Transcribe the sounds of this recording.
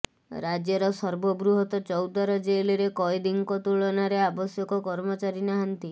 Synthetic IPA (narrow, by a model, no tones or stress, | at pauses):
ɾad͡ʒjɔɾɔsɔɾbɔbɾuɦɔt̪ɔt͡ʃɔwd̪aɾɔd͡ʒeliɾekɔjd̪iŋkɔt̪uɭɔnaɾeabɔsjɔkɔkɔɾmɔt͡ʃaɾinaɦant̪i